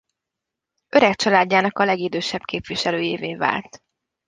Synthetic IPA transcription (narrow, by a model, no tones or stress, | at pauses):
ʔøɾɛkt͡ʃɒlaːdːaːnɒkɒlɛɡid̪øːʃɛbkeːpʋiʃɛløːjeːveːva̰ːlt̪